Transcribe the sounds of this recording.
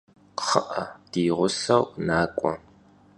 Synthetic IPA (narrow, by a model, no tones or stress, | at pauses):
χəʔɐd̥iːʁʷʊɬɐwnaːkʷʼɔ̰